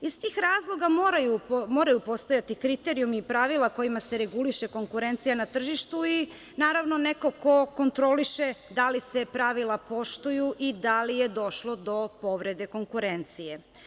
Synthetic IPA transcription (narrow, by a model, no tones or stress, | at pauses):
ist̪iːxɾaːzlˠo̞ɡamoɾajumo̞ːɾajupo̞st̪ojat̪ikɾit̪e̞ɾijumipɾaʋilˠako̞jimase̞ɾe̞ɡuliʃe̞ko̞ŋkuɾe̞nt̪sijanat̪r̩ʒiʃt̪ui | naːɾaʋno̞ne̞ko̞ko̞ko̞nt̪ɾo̞liʃe̞d̪alise̞pɾaʋilˠapo̞ʃt̪ujuʔid̪alije̞d̪o̞ʃlo̞d̪o̞po̞ʋɾe̞d̪e̞ko̞ŋkuɾe̞nt̪sije̞